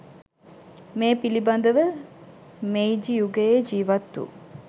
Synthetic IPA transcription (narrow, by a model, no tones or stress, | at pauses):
meːpilibɐnd̪əʋə | mejd͡ʒijuɡejed͡ʒiːʋɐt̪ːṵ